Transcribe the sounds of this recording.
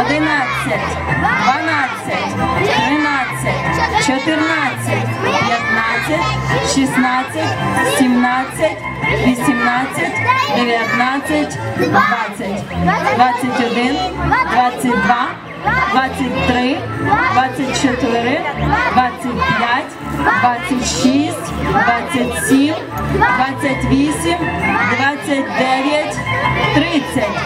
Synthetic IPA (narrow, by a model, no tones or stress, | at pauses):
ɔd̪ɪnat͡sʲːɐtʲ | d̪ʋɐnat͡sʲːɐtʲt̪ɾɪnat͡sʲːɐtʲt͡ʃɔt̪ɪrnat͡sʲːɐtʲpjɐt̪nat͡sʲːɐtʲʃisnat͡sʲːɐtʲsʲimnat͡sʲːɐtʲ | ʋʲisʲimnat͡sʲːɐtʲd̪eʋʲjɐt̪nat͡sʲːɐtʲd̪ʋat͡sʲːɐtʲd̪ʋat͡sʲːɐtʲɔd̪ɪnd̪ʋat͡sʲːɐt̚ʲd̪ʋa | d̪ʋat͡sʲːɐt̚ʲt̪ɾɪd̪ʋat͡sʲːɐtʲt͡ʃɛt̪ɪɾɪd̪ʋat͡sʲːɐtʲpjatʲ | d̪ʋat͡sʲːɐtʲʃisʲtʲd̪ʋat͡sʲːɐtʲsʲim | d̪ʋat͡sʲːɐtʲʋʲisʲimd̪ʋat͡sʲːɐt̚ʲd̪ɛʋʲjɐtʲt̪ɾɪt͡sʲɐtʲ